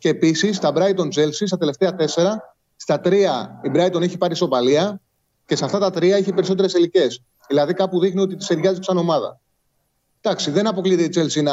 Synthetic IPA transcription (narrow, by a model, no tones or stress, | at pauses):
ce̞ːpisist̪ɐbɾɐit̪o̞nt͡se̞lsist̪ɐt̪ele̞ft̪eɐt̪e̞se̞ɾɐ | st̪ɐt̪ɾiɐibɾɐit̪o̞neçipɐɾiso̞pɐliɐ | ce̞sɐft̪ɐt̪ɐt̪ɾiɐiçepe̞ɾiso̞t̪e̞ɾesilice̞s | ðilɐðikɐpuðixnio̞t̪̬it̪i̥seɾʝɐziksɐno̞mɐðɐ̰ | d̪̥ɐksiðe̞nɐpo̞kliðeit͡selsinɐ